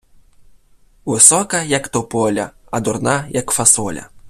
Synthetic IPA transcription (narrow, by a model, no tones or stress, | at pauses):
vɨsɔkɐjɐkt̪ɔpɔlʲɐ̰ɐd̪urnajɐkfasɔlʲɐ̰